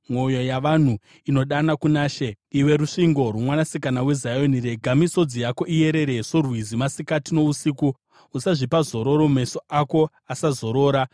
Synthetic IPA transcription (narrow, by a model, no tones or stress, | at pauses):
mwo̞jo̞jaʋan̤u | ino̞ɗanakunaːʃe | iwe̞ɾuʂiŋɡo̞rumwanasikanawe̞zajo̞niɾe̞ɡʱamiso̞d͡zijako̞ʔije̞ɾe̞ɾe̞sorwizimasikatino̞usiːku | usaʐipazo̞ɾo̞ɾo̞me̞soʔako̞ | asazo̞ɾo̞ːɾa